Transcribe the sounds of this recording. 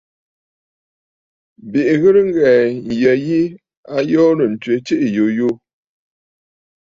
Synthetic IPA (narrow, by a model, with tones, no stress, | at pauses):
bi˨ʔɣə˦ɾŋ̩˦ɡɛ˨n˨jə˨ji˦ | a˦jɔː˦nə˨n̩˨tɥe˨˦t͡ʃi˦ʔjo˨jo˦